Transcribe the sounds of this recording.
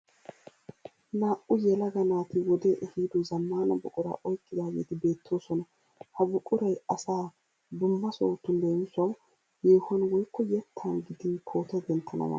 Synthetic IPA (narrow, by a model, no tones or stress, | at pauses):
naːʔʊjɛlɐɡɐnaːt̪ɪwɔd̪eːʔɛhiːd̪ɔzɐmːaːnɐbʊkʼʊɾa̰ːʔɔjkʼːɪd̪aːɡḛːt̪ɪbe̞ːt̪ʰːo̞ːsɔnɐ | hɐbʊkʼʊɾɐjɐsaː | b̪ʊmːɐso̰ːt̪ːʊnd̪ensɐw | jeːhɐnwɔjkːɔjɛt̪ʰːaːnɡɪd̪ɪnkʰo̞ːt̪ɛd̪ɛnt̪ʰːɐnɐ̰mɐ̰nɐ